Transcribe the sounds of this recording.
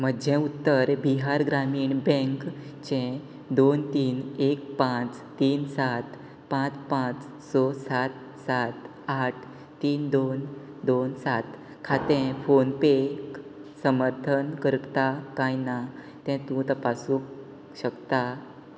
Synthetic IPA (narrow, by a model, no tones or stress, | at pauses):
m̤əd͡ʑʱẽut̪ːəɾbiɦaɾɡɾamiːɳbɛ̃ŋkt͡ɕɛ̃ | d̪ont̪iːnek̚pãt͡s | t̪iːnsat̪ | pãt͡spãt͡s | sɔsat̪ | sat̪ | aʈʰ | t̪iːnd̪on | d̪onsat̪ | kʰat̪ɛ̃fonpeksəməɾt̪ʰənkəɾt̪akajna | t̪ɛ̃t̪ũt̪apasũk | ɕəkt̪a